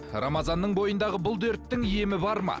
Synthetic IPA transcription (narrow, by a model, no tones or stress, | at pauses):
rɑ̰mɑzɑnːəɴbo̞jənd̪ɑʁəbʊlˠd̪eɾt̪ːɪŋije̞mɪbɑɾmɑ̰